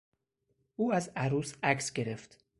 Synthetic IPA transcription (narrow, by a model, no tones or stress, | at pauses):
ʔuːæzæɾuːsæksɟe̞ɾe̞ft̪